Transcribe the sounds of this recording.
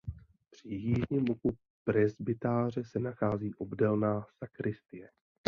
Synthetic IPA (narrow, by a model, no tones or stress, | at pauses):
pr̝̥ɪjiːʒɲiːmuku | pɾɛzbɪt̪aːr̝ɛsɛnaxaːziːʔo̞bdɛlnaːsakɾɪst̪ɪjɛ